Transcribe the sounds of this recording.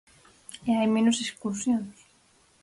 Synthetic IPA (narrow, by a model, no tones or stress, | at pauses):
eajmenuseskusjons